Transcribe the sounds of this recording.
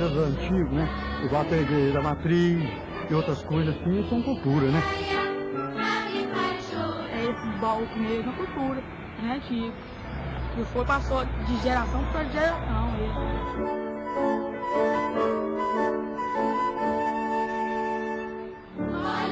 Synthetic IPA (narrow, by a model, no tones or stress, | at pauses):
ɐzɐ̃t͡ʃiɡʊnɛ | iɡawt̪eʒed̪ɐmat̪ɾis | ɪowt̪ɾɐskojzɐssĩɪsɐ̃w̃kuwt̪uɾɐnɛ | ɛesɪ̃bɔwkʊmeʒmʊɐkuwt̪uɾɐ | nɛt͡ʃipʊ̥ | kɪfoɾpasod͡ʒɪʒeɾasɐ̃w̃psod͡ʒɪʒeɾasɐ̃w̃ez